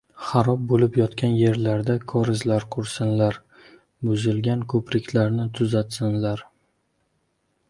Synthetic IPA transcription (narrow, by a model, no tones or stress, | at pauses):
χɑɾɒp̚bolɪpjɒt̪kʲʰanje̞ɾlaɾd̪akʰɒɾɪzlaɾqʰʊɾsɪnlaɾ | bʊzɪlɡʲankʰɵpɾɪkʲʰlaɾnɪt̪ʰʊzat̪sɪnlaɾ